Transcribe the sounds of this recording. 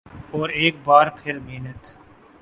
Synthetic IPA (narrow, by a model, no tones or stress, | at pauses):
ɔːɾeːk̚baːɾpʰɪɾmiːnət̪